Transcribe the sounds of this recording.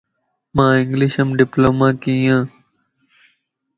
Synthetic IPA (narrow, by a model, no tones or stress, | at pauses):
mãːɪ̃ŋɡlɪʃəmɖɪploːmãːkiːjãː